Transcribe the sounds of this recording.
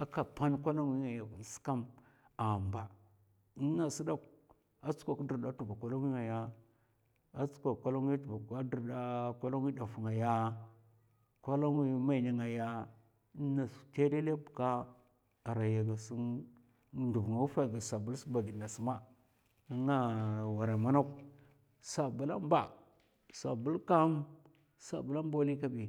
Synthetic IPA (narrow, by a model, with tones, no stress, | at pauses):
a˦ka˨pa˦nkʷa˦la˦ŋwi˦ŋa˨ja˨vu˨n˨si̥˦ka˦m | a˨mba˨˦ | na˨si˦da˦k | a˦t͡skʷa˨kdə˨ɾɗa˦tu˨va˨kʷa˦la˦ŋ˦i˦ŋa˨ja˦ | a˦t͡su̥˦kʷa˨kʷa˦la˦ŋi˦ta˦di˨ɾda˦kʷa˦la˦ŋ˦i˦da˨fu˨ŋa˨ja˦ | kʷa˦la˦ŋwi˦ma˦˨na˨ŋa˨ja˦ | na˨su̥˨te˦de˦le˦bka˦ | a˨ɾa˨ja˨ɡa˨si˦n | du˨vŋa˨u˦fa˦˨ɡa˨sa˨bu˦lsi˦ba˨ɡi˨na˨su˨ma˦ | a˦ŋa˦wa˨ɾa˨ma˦na˦k | sa˨bu˦la̰˦m˦ba˨ | sa̰˨bu˦lka˦m | sa̰˨bu˦la˦m˦bo˦li˦ka˦bi˨